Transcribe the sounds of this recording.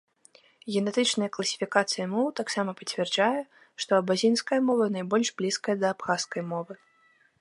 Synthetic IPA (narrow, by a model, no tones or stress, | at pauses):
ɣʲɛnɛt̪ɨt͡ʂnɐjɐklˠɐsʲi̥fʲikat̪sɨjɐmɔwt̪aksamɐpɐt͡sʲvʲɛrd͡ʐajɛ | ʂt̪ɔɐbazʲinskɐjɐmɔvɐnajbɔlʲʐblʲiskɐjɐd̪ɐːpxaskɐjmɔvɨ